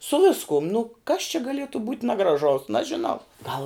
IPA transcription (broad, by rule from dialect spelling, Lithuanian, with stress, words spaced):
sʊ ˈʋʲɪskʊm nʊ kɐs t͡ʃʲɛ ɡɐˈlʲiɛtʊ buːt nɐɡrɐˈʒɐʊs nɐʒʲɪˈnɐʊ ɡɐlˠ